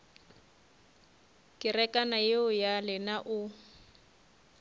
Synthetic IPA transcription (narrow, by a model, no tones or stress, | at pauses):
kɪrɛkanajɪʊjalɪnaʔʊ